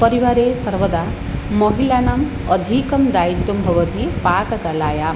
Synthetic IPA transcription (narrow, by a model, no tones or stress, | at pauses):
pʌɾiʋaːɾeːsɐɾʋəd̪a | mɔɦilanaːm | ɔd̪ʱikɐmd̪aːit̪jɔmbʱɐʋɐt̪ipaːkɐk̪alaːja